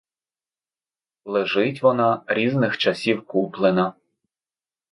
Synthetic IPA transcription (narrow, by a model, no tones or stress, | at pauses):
lˠeʒɪtʲʋɔnɑɾʲiznɪxt͡ʃɐsʲiwkuplˠenɐ